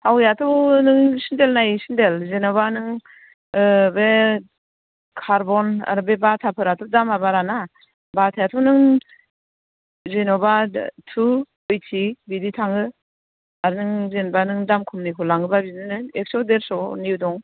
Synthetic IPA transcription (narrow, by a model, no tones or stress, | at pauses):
hawjatʰɔwnɯŋsindelnajisindelzenɔbanɯŋ | be | kʰaɾbɔna̰ɾɯbebatʰapʰɯɾatʰɔwdamabaɾana | batʰajatʰɔwnɯŋ | zenɔbatʰu | ɯjtʰibiditʰaŋɯ | aɾɯnɯŋzenbanɯŋdamkʰumnikʰɔlaŋɯbabinɯnɯek̚sɔwdeɾsɔniudɔŋ